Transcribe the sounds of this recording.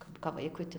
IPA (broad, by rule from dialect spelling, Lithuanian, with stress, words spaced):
ˈkɐp kɐp ˈʋɐɪkʊɪ tɐ